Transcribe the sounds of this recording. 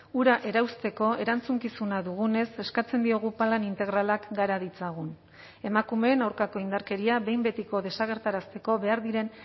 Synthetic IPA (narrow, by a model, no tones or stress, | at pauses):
uɾaʔe̞ɾawst̪e̞ko̞e̞ɾant͡suŋkisunaðuɣune̞se̞skat͡se̞nd̪io̞ɣ̞upalanint̪e̞ɣɾalakɡaɾaðit͡saɣ̞un | e̞makume̞ːnawɾkako̞ind̪aɾke̞ɾiaβe̞jmbe̞t̪iko̞ð̞e̞saɣ̞e̞ɾt̪aɾast̪e̞ko̞βe̞aɾðiɾe̞n